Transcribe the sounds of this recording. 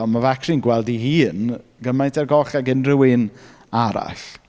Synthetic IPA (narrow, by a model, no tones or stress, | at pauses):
mavakʰrɪnɡwɛlˠdihiːnɡ̥əmajntʰɛrɡɔɬaɡɪnrɪwɪn | aɾa̰ɬ